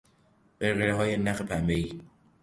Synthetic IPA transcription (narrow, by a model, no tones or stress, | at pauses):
b̥eɾɣeɾeɦɒːjenæxepʰæmbei